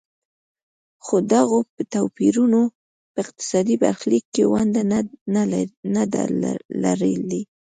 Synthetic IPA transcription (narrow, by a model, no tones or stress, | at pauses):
xod̪aɣopət̪awpiɾuno | pəɪq̚t̪ɪ̥sɑd̪iba̰ɾxlikːewand̪a | nad̪a̰la̰ɾə̰ld̪i